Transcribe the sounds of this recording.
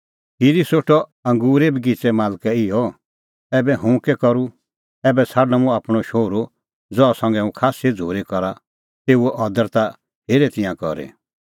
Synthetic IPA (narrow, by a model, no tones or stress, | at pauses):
hiɾisoʈɔɐ̃ŋɡuːɾebiɡit͡sɛmaːlkɛɪjɔ | ɛːbɛɦũkɛkɔɾu | ɛːbɛsʰaɖɔ̃mũaːpɽ̃ɔʃoːɾo | d͡zɔːsɔ̃ŋɡɛũkʰaːsed͡zʱoːɾekɔɾa | t̪eːuɛʔɔd̪əɾt̪a | pʰeːɾet̪ɪ̃jãkɔ̰ɾḛ